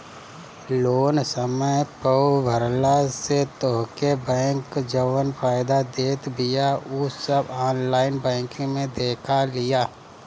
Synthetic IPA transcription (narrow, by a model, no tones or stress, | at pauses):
loːnsəməjpəubʱəɾlaset̪ɔɦkebɛ̃ːkd͡ʒəʋənpʰaːɪd̪ad̪eːt̪bɪjaʊsəbaːnlaːɪnbɛ̃ːkẽmẽd̪eːkʰalɪjaː